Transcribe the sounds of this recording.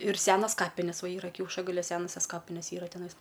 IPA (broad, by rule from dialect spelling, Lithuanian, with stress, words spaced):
ɪr ˈsʲæːnɐs ˈkɑːpʲɪnʲɛs ˈʋɐ ˈiːrɐ kʲɛʊʃɐɡɐlʲʊ ˈsʲæːnɐsʲɛs ˈkɑːpʲɪnʲɛs ˈiːrɐ tʲɛˈnɐɪs